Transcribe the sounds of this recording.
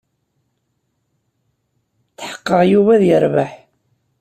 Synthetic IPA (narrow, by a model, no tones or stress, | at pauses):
t͡sːħə̥qːəʁjuvæðjəɾˤvaħ